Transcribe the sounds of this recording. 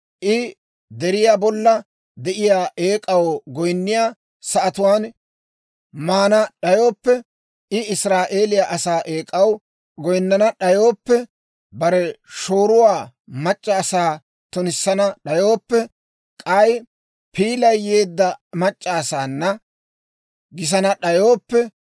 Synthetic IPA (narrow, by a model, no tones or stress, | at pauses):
ʔɪ | d̪ɛɾɪjaːbɔlːɐ | d̪ɛʔɪjaːʔe̞ːkʼɐwɡɔjnːɪjaː | sɐʔɐt̪ʊwaːn | maːnɐɗɐjo̞ːpːɛ | ʔɪɪsɾaːʔe̞ːlɪjaʔɐsaːʔeːkʼɐw | ɡɔjnːɐnɐɗɐjoːpːɛ | bɐɾɛʃo̞ːɾʊwaː | mɐt͡ʃʼːɐːsaː | t̪ʊnɪsːɐnɐɗɐjoːpːɛ | kʼɐj | piːlɐjːe̞ːd̪ːɐmɐt͡ʃʼːaːsaːnːɐ | ɡɪs̬ɐnɐɗɐjo̞ːpːɛ